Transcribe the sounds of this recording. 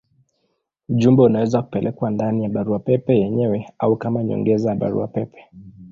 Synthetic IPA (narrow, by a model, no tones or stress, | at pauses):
uʄumbɛunawɛzaku̥pɛlʔɛkwandanijaɓaɾuapɛpɛjɛɲɛwɛaukamaɲɔ̰ŋɡɛzajaɓa̰ɾṵapɛpɛ̥